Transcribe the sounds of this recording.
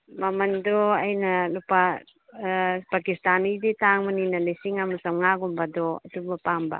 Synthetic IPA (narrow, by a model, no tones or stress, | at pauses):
mamandoajnalupa | pakist̪anidit̪aŋmaninalisiŋamusamŋaɡumbadot̪ubapamba̰